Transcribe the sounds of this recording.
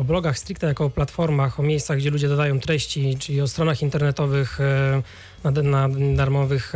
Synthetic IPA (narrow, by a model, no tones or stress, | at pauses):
ɔblɔɡaxst̪ɾikt̪ɛjakɔːplat̪fɔɾmaxɔmʲjejssaɣɡd͡ʑɛlud͡ʑɛd̪ɔd̪ajɔ̃w̃t̪ɾɛɕt͡ɕit͡ʂɘlʲiɔst̪ɾɔnaxint̪ɛɾnɛt̪ɔvɘx | nanad̪aɾmɔvɘx